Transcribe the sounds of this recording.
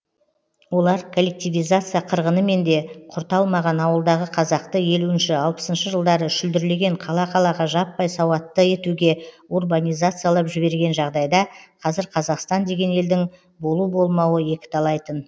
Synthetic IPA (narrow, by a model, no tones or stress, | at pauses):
wo̞lˠɑɾkʰolʲːe̞k̚t̪ijvijzat̪sɨjaqʰəɾʁənəme̞nd̪e̞qʰʊɾt̪ɑlˠmɑʁɑnɑwəlˠd̪ɑʁəqʰɑzɑqt̪əje̞luɪnʃɪɑlˠpə̥sənʃəʒəlˠd̪ɑɾəʃɪld̪ɪɾle̞ɡʲe̞ɴqʰɑlˠɑqʰɑlˠɑʁɑʒɑpːɑjsɑwɑt̪ːəe̞t̪uɡʲe̞ | urbanʲijzat̪sɨjaɑlˠɑpʒɪbe̞ɾɡʲe̞nʒɑʁd̪ɑjd̪ɑqʰɑzɪɾqʰɑzɑqst̪ɑnd̪e̞ɡʲe̞ne̞ld̪ɪŋ | bo̞lˠubo̞lˠmɑwəje̞kʲɪ̥t̪ɑlˠɑjt̪ən